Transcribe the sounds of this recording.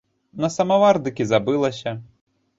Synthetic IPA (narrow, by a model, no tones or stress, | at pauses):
nɐsɐmɐvard̪ɨkʲizabɨlˠɐsʲɐ